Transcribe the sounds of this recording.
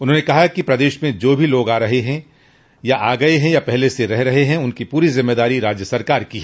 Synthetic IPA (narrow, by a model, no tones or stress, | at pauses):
ʊnɦõːnekɐɦakipɾɐd̪eːʃmẽd͡ʒoːbʱiloːɡaːɾɐɦeɦɛ̃ | jaʔaːɡɐeɦɛ̃japɛɦleseɾɛɦɾɐɦeɦɛ̃ʊnkipuːɾizɪmːeːd̪aːɾiɾaːd͡ʒjəsɐɾkaːɾkiɦɛː